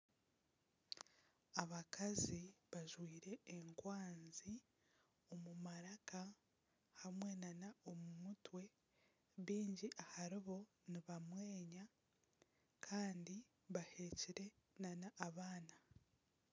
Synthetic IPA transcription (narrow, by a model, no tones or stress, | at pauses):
aβakaziβaʒwiːɾe̞ːŋkwaːnzi | o̞mumaɾaka | hamwe̞nanao̞mumutwe̞ | βiːɲɟiʔahaɾiβo̞ | niβamwe̞ːɲa | kʰaːndi | βahe̞ːciɾe̞ | nanaʔːβaːna